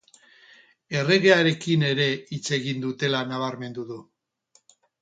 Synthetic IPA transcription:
e̞re̞ɣe̞aɾe̞kine̞ɾe̞it͡se̞ɣind̪ut̪e̞lanaβaɾme̞nd̪uðu

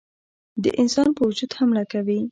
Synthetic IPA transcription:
d̪ə̰ʔɪnsɑnpəwʊd͡ʒud̪hamlakawi

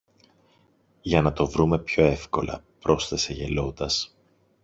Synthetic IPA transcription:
ʝɐnɐt̪o̞vɾume̞pço̞e̞fko̞lɐ̰pɾo̞st̪e̞se̞ʝe̞lo̞d̪ɐs

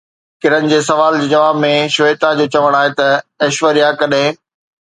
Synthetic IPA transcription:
kɪɾənɪ̆d͡ʑeːs̬ɐʋaːld͡ʑeːd͡ʑɐʋaːbmẽʃʊeːt̪ad͡ʑoːt͡ɕɐʋəɽ̃aːɦet̪ɐɐʃʋəɾijakɐɗɦɪ̃

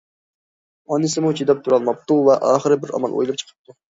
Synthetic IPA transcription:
ɑnɨsɨmut͡ʃʰid̪ɑp̚t̪ʰuɾɑlˠmɑp̚t̪uvɛʔɑːχəɾɨbɪɾɑ̰mɑ̰lˠʔo̰jlˠɨp̚t͡ʃʰə̥qʰə̥p̚t̪ʰu

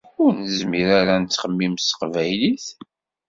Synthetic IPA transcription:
kunzmiɾaɾænt͡sːχəmːimsə̥qvæjliθ

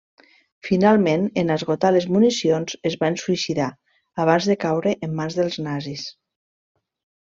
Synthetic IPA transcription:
finalˠmenenazɣot̪alezmunisionzezβansuisiða | aβ̞anzðəkawɾeʔemːanzðəlˠznazis

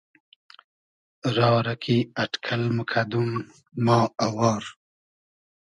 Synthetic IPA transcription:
ɾɑːɾakʰiaʈkʰalmukʰad̪un | mɑːawɑːɾ

